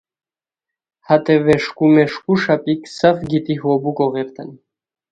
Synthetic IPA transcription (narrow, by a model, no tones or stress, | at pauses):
hat̪ʰʼɛvɛʃkʼumɛʃkʼuʃapʼikʰʼsafɡit̪ʼiɦɔbukʼɔʁɛɾt̪ʰan